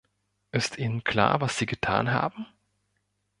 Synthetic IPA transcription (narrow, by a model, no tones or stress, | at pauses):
ʔɪstʰʔiːnənkʰl̥a̰ːɐvasz̥iːɡətʰa̰ːnɦa̰ːbm̩